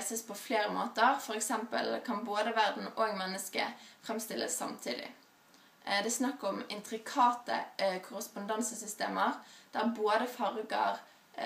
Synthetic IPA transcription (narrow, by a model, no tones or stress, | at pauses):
səspʰɔfleːʁəmoːt̪əʁfɔʁɛksɛmpə̰lkʰɑnboːd̪əʋæʁd̪n̩oːɡmɛnːəskə̰fʁɛmst̪ɪlʔə̰sːɑ̰mt̪ʰḭːd̪ɪ̰ | d̪ɛsnɑkːəʁɔmɪnt̪ʁɪkʰɑːt̪ə̰kʰʊʁəspʊnd̪ɑnsəsʏst̪ḛːməʁd̪̥æʁboːd̪əfɑʁɡə̰ʁ